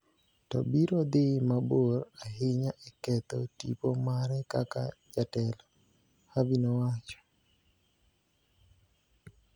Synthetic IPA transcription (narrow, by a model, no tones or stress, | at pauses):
tɔ̰biɾɔd̪ɪmaboɾaɦɪɲaʔɛkɛt̪ɔtḭpomaɾɛkaka̰d͡ʒatɛlɔ | habinowat͡ʃɔ̥